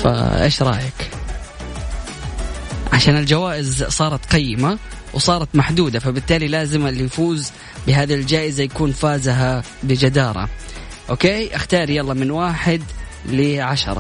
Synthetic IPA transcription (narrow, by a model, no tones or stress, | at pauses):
fa̰ʔḛːʃɾˤɑ̰ːjak | ʕaʃaːnɪld͡ʒawaːʔɪzsˤɑːɾˤɑt̪qɪjːɪma | wsˤɑːɾˤɑt̪maħd̪uːd̪afabɪt̪ːaːlilaːzɪmalɪjfuːz | bɪɦaːðild͡ʒaːʔɪzajakuːnfaːzɦa | bɪd͡ʒad̪ɑːɾˤɑ̰ | ʔoːkeːʔaxt̪ɑːɾˤijɑlˤːɑmɪnwaːħɪd̪ | lɪʕaʃɑ̰ɾˤɑ̰